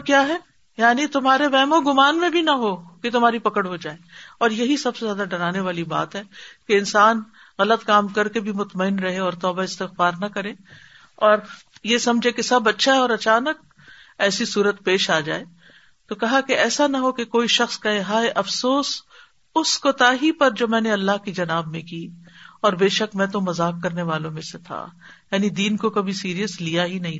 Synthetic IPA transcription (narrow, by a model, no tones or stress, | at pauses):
kjaːɦɛː | jaːnit̪ʊmɦaːɾeʋɛːmõɡʊmaːnmẽbʱinɐɦoket̪ʊmaːɾipɐkəɽɦoːd͡ʒaːeːɔːɾjɐɦisɐbsezjaːd̪aɖɐɾaːneʋaːliba̰ːt̪ɦɛːkeɪnsaːn | ɣɐlət̪kaːmkɐɾkebʱimʊt̪məɪnɾɐɦeɔːɾt̪ɔːbaɪst̪ɪxfaːɾnɐkɐɾẽː | ɔːɾjesɐ̃md͡ʒʱekesɐbːɐtːʃʰaɦɛɔːɾɐt͡ʃaːnək̚ | ɛːsisuːɾət̪peːʃaːd͡ʒa̰ːeː | t̪okɐɦakeɛːsanɐɦokekoːiʃɐxskaeɦaːeʔɐfsoːs | ʊskot̪aːɦipɐɾd͡ʒoːmɛ̃ːneɐlːaɦkid͡ʒɐnaːbmẽkiːɔːɾbeːʃəkmɛ̃ːt̪̬omɐzaːkːɐɾneʋaːlõmẽset̪ʰa̰jaːnid̪iːnkokɐbʱisiːɾijəslijaɦinɐɦĩ